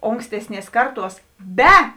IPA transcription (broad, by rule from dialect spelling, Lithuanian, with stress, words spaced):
ˈoːŋksʲtʲɛsʲˌnʲiɛs ˈkɐrˌtuɔs ˈbʲɛ